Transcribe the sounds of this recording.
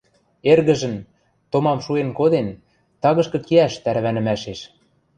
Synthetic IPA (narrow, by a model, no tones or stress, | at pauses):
erɣə̆ʒə̆n | t̪omɑmʃuenkod̪en | t̪ɑɣɤ̆ʃkɤ̆keæʃt̪æɾ̆βænɘ̆mæʃeʃ